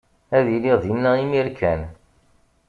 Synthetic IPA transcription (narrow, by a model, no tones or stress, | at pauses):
æðiliʁðinːæimiɾkʰæn